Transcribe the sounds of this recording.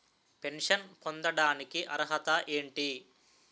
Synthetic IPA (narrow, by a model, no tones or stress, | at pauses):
pe̞ɳʂɐnpond̪ɐɽaːnikiʔɐɾɦɐt̪ɐʔe̞ːɳʈi